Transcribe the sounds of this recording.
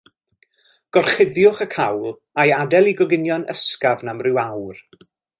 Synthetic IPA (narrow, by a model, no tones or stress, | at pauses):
ɡ̥ɔrχɪðjʊχəkʰawlˠ | ajadɛlˠiɡɔɡɪnjɔnə̰skavnamrɪwawr